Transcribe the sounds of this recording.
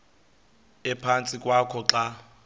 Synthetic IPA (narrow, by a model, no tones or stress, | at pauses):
ɛpʰant͡sʼikʼwakʰɔǁa